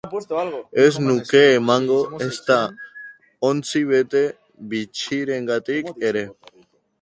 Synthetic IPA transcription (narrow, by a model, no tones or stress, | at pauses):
eznuke̞ːmaŋɡo̞est̪a | ont͡siβ̞e̞t̪e̞ | βit͡ʃiɾe̞ŋɡat̪ike̞ɾe̞